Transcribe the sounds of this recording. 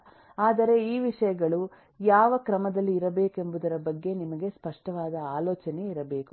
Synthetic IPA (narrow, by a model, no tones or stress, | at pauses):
aːd̪ɐɾe̞iːʋiʂɐjɐɡɐɭu | jaːʋɐkɾɐmɐd̪ɐlːiːɾɐbe̞ːke̞mbud̪ɐɾɐbɐɡːe̞nimɐɡe̞spɐʂʈɐʋaːd̪ɐaːlɔːt͡ʃɐne̞iɾɐbe̞ːku